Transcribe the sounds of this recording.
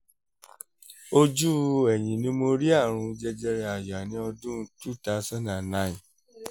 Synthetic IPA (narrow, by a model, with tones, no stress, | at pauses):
o˦d͡ʒu˦ɛ˨j̃ĩ˨nĩ˦mo˧ɾi˦a˦˨ɾ̃ũ˧˦d͡ʒɛ˧d͡ʒɛ˧ɾɛ˧a˨jɔ˨a˨nĩ˨˦ɔ˧dũ˦tu˦˨ta˧˦sa˦nã˨nã˦ĩ˨